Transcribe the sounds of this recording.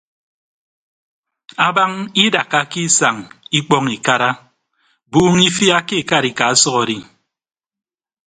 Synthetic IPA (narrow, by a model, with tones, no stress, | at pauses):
a˨ba˦ŋi˦da˨ka˦ki˦sa˨ŋi˦k͡pɔ˦ŋi˨ka˦ɾa˦ | buː˦ŋi˦fi˦a˦ke˦˨ka˦ɾi˨ka˨a˦sɔ˦ɣɔ˨ɾi˦